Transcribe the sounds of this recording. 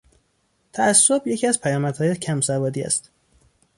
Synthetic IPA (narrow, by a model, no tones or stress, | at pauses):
t̪ʰæʔæsːo̞bje̞cʰiæzpʰæjɒːmæd̪̥hɒːjecʰæmsævɒːd̪iːæ̰st̪